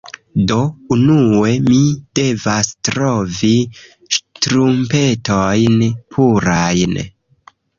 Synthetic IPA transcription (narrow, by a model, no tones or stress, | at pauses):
do̞unue̞mid̥e̞vastɾo̞vi | ʃtɾumpe̞tojnpʰuɾajn